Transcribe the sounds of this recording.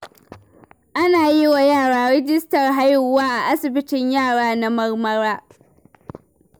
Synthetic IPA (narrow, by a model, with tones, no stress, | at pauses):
ʔa˦naː˨ji˦wa˨jaː˦˨ɽaː˨˦ɽɪ˦d͡ʒɪ˦stɐ˨rɦa˦jʊ˨waː˦ʔa˨ʔa˦sɪ˨bɪ˦tɪ˨ɲjaː˦˨ɽaː˦na˦mɐ˦rmɐ˦ɾaː˦